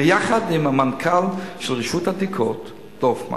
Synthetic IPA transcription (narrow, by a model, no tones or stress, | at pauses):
jaχad̪imhamankʰalʃelʁiʃuthadikʰot | d̥ofma̰